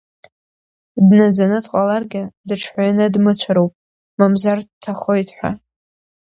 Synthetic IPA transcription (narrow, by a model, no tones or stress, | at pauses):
dnad͡zanɨdqʼalarɡʲadɨʈ͡ʂʰħʷajanɨdmɨt͡ɕʷʰaɾowpʼ | mamzardtʰaχojtʰʼħʷa̰